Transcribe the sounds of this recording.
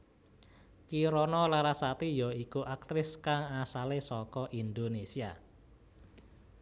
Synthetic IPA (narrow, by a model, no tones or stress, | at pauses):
kiɾɔnɔlaɾasat̪ijɔikuʔak̚t̪ɾɪskaŋasalesɔkɔʔind̪onesia̰